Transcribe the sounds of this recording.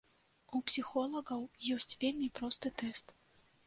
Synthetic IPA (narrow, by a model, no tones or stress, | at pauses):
upsʲixɔlˠɐɣɐwjɔsʲt͡sʲvʲelʲmʲipɾɔst̪ɨt̪ɛst̪